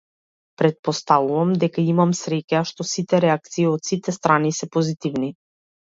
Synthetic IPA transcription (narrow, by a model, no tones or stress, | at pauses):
pɾɛt̪̚pɔst̪avuvamd̪ɛkaimamsɾɛcaʃt̪ɔsit̪ɛɾɛak̚t̪siːɔt̪sit̪ɛst̪ɾanisɛpɔzit̪ivni